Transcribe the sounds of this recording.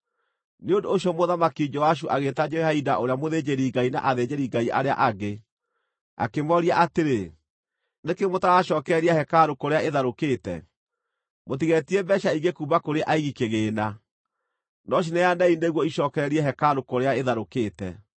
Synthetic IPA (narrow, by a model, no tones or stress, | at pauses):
neondoːɕiɔmoðamakid͡ʒɔwaʃ̬uʔaɣetad͡ʒɛhaidaʔoɾeamoðed͡ʑeɾiɡaina̰ʔaðed͡ʑeɾiɡaiʔa̰ɾea̰ʔaɡe | a̰kemɔɾiaʔateɾe | nekemotaɣaʃɔːkɛɾiahɛkaɾokoɾeaeðaɾokeːtɛ̰ | motiɣɛtiɛbɛʃaiɡekuːbakoɾeʔaiɣikeɣeːna | nɔɕ̬inɛjanɛineɣwɔiʃɔːkɛɾɛɾiɛɦɛkaɾokoɾeaeðaɾokeːtɛ̰